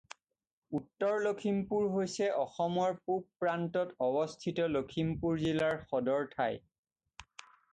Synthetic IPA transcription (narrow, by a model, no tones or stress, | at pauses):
utːɔɹlokʰimpuɹɦojsɛʔɔxɔmɔɹpuppːɹantɔtɔbɔstʰitɔlokʰimpuɹzilaɹxɔdɔɹtʰaj